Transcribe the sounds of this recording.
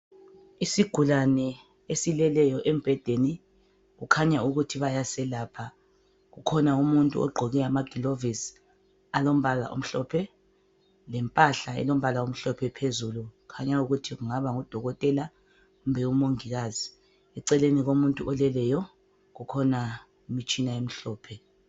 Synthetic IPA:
isiɡ̥ʱulanɛ | esilɛlɛjɔʔɛmb̥ʱɛd̥ʱeni | ɣukʰaɲauɣutʰiβajasɛlaːpʰa | ɣukʰɔnaumuntʼṵʔɔ̰ɡ͡ǃʱɔɣɛamaɡ̥ʱilovis | alom̩βala̰ʔo̰m̩ɬɔpʰɛ | lɛmpʼaɬaɛ̰lom̩βalaom̩ɬɔpʰɛpʰezuluukʰaɲauɣutʰiɣuŋaβaŋud̥ʱɔɣɔtʼɛla | ɣumbʱɛumoŋiɣaːzi | ɛǀɛleniɣomuntʼuʔɔlɛlɛjɔ | ɣukʰɔna | imit͡ʃʼinaem̩ɬɔːpʰɛ

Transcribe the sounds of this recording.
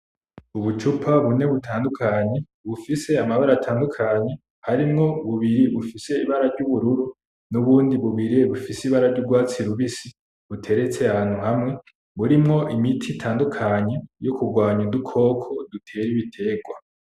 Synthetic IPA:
uβut͡ʃupʰaβune̞βutʰaːndukʰaɲe̞ | βufise̞amaβaɾaːtʰaːndukʰaɲe̞ | haɾimŋo̞βuβiɾiβufise̞iβaɾaɾɟuβuɾuɾu | nuβuːndiβuβiɾieβufisiβaɾaɾɟuɡwaːt͡siɾuβisi | βutʰe̞ɾe̞t͡se̞aaːn̥huhamŋe̞ | βuɾimŋo̞ʔimitʰitʰaːndukʰaɲe̞jokuɡwaːɲudukʰo̞ːkʰo̞dutʰe̞ɾiβitʰe̞ːɡwa

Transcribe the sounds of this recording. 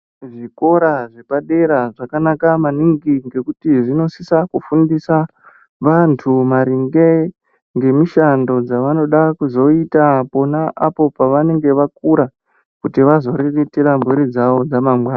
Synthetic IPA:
ʐiko̞ɾaʐe̞paɗe̞ɾaʐakanakamaniŋɡiŋɡe̞kutiʐino̞sisakufundisa | ʋantʰumaɾiŋɡe | ŋɡe̞miʃando̞d͡zaʋano̞ɗakuzo̞itapo̞naapo̞paʋane̞ŋɡe̞ʋak̚uɾa | kutiʋazo̞ɾeretiɾambʱuɾid͡zaʋo̞d͡zamamɡwaːna

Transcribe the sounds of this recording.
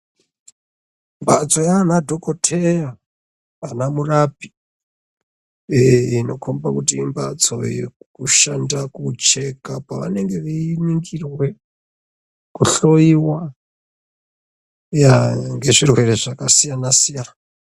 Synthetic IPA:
mbat͡so̞jaːnadʱo̞ko̞tʰejaː | namurapi̥ | ino̞kʰombakutiːmbat͡so̞̰jḛkuʃandakut͡ʃe̞kapaʋane̞ŋɡe̞ʋiiniŋɡirwe̞ | kuɬo̞iwa | jaŋɡe̞ʐirwe̞ɾe̞ʐakasijanasijana

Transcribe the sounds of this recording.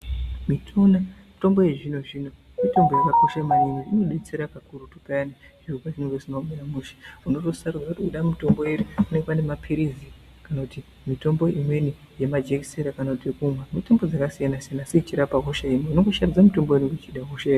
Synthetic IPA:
mitʰo̞namito̞mbo̞je̞ʐino̞ʐino̞ | mito̞mbo̞jakako̞ʃaimanimiʐino̞ɗe̞t͡se̞ɾakakurutu̥paani | ʐ̥irukaʐinorosinomeɾamuʃi̥uno̞tosarud͡zakutiuɗamito̞mbo̞eɾiune̞ŋɡepane̞mapʰiɾizi | kanakuti | mito̞mbo̞ʔimwe̞ni | je̞mad͡ʒekiseɾakanakutiekumwamitombo̞d͡zakasijanasijanaset͡ʃiɾapakoʃaimiunoŋɡoʃarud͡zamito̞mboenoket͡ʃiɗakoʃaeri

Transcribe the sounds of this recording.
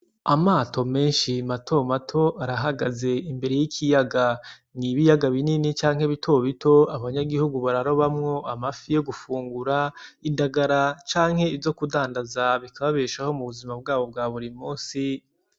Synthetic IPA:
amaːtʰo̞me̞ːnʃimatʰo̞matʰo̞ʔaɾaɦaɡaze̞imbe̞ɾe̞jikʰijaɡa | niβijaɡaβininit͡ʃaːŋhe̞βitʰo̞βitʰo̞aβaɲaɡihuɡuβaɾaɾo̞βamŋo̞ʔamafijeɡufuːŋɡuɾaindaɡaɾat͡ʃaːŋ̥he̞ivzo̞kudaːndazaβikaβaβeːʃaho̞muβuzimab̚ɡaːβo̞b̚ɡaːβuɾimuːnsi

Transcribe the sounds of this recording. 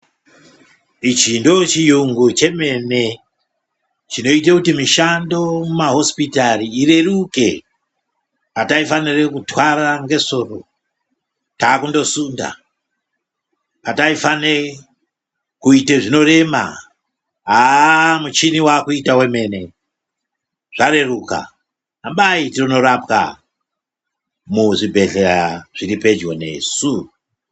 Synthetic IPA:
it͡ʃindo̞t͡ʃijuŋɡut͡ʃe̞me̞ne̞ | t͡ʃino̞it̬akutimiʃando̞mumaɦo̞spitaɾiːre̞ruke̞̰ | pataifanirekutwaɾaŋɡe̞so̞ro̰ | taːkundo̞sunda̰ | pataifane | kuiteʐino̞re̞ma̰ | ɦamut͡ʃiniwakuitawe̞me̞ne̞ | ʐ̥aɾe̞ruka̰ | ambaitirono̞ɾapka̰ | muʐibʱe̞ɬeɾaʐ̥iɾipe̞d͡ʒɡone̞̰ːsu

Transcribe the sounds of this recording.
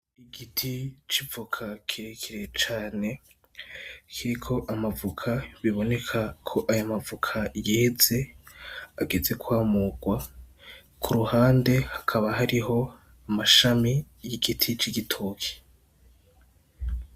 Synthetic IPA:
iɡitʰit͡ʃivukʰakʰiɾekʰiɾet͡ʃaːne̞ | kʰiɾikʰo̞ʔamavukʰaβiβo̞ne̞kʰakʰo̞ʔajamavukʰajeze̞ | aɡe̞ze̞kwaːmuɡ̥wa | kʰuɾuhaːnde̞hakʰaβaɦaɾiɦo̞ | amaʃami | jiɡitʰit͡ʃiɡitʰokʰi̥

